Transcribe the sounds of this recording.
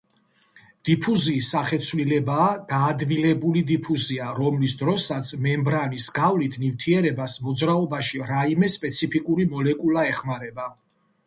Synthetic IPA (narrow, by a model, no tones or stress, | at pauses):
d̪̥ipʰuziːsːaχɛt̪sʰvlilɛbaːd̪̥aːd̪vilɛbulid̪ipʰuziaɾɔmlisd̪ɾɔsat̪sʰmɛmbɾanisɡavlit̪ʰnift̪ʰiɛɾɛbasmɔd̪zɾaɔbaʃiɾaimɛspʼɛt̪sʰipʰikʼuɾimɔlɛkʼulaɛχmaɾɛba